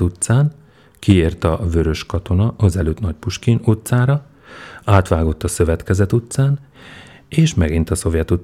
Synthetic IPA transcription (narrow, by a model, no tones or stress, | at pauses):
ut̪saːn | kieːrt̪ɒvø̞ɾø̞ʃkɒt̪o̞nɒʔɒzɛløːt̪nɒc̚puʃkinot̪saːɾɒ | aːt̪ʋaːɡo̞t̪ːɒsø̞vɛt̪kɛzɛt̪ut̪saːn | eːʃmɛɡint̪ɒso̞vjɛt̪u